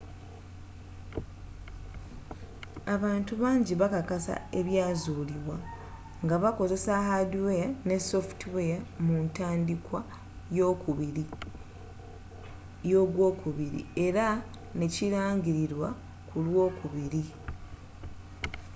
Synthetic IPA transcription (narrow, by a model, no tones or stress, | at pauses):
aβaːntuβaːɲɟiβakakasa̰e̞βjaːzuːliβwa | ŋɡaβako̞ze̞sahaduwejane̞so̞ftiwejamuntaːndikwa | jo̞ːkuβiɾi | jo̞ːɡwo̞ːkuβiɾḭe̞ɾa | ne̞ciɾaːɲɟiɾiɾwa | kulwo̞ːkuβiɾi